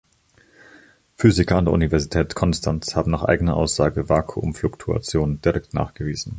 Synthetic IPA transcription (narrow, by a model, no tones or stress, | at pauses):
fyːzɪkɐandeːɐʔunivɛɐzitʰɛːtkʰɔnstʰanshaːbm̩naːχʔa̰ɪɡənɐʔa̰ʊsz̥aːɡəvaːkʰuʔʊ̰mflʊktʰua̰t͡sjoːnd̥iʁɛk̚tna̰ːχɡ̥əviːzn̩